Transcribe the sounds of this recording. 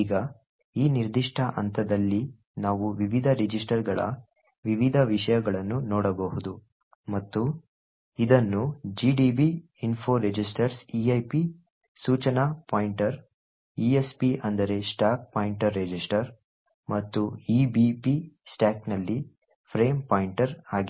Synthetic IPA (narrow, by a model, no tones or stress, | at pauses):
iːɡɐ | iːniɾd̪iʂʈʰɐʔɐnt̪ʰɐd̪ɐlːi | naːʋuʋiʋid̪ʱɐɾed͡ʒisʈɐɾɡɐɭɐ̰ | ʋiʋid̪ʱɐʋiʂɐjɐɡɐɭɐnːunɔːɽɐbɐɦud̪u | mɐt̪ːu | id̪ɐnːud͡ʒiːɖibiː | nfʰoːɾed͡ʒisʈɐɾsiɐjpi | suːt͡ʃɐnapaːjiɳʈɐɾ | iːespiʔɐnd̪ɐɾe̞sʈaːk̚paːjiɳʈɐɾːed͡ʒisʈɐɾ | mɐt̪ːuiːbipisʈaːknɐlːi | pʰɾe̞ːmpaːjiɳʈɐɾaːɡi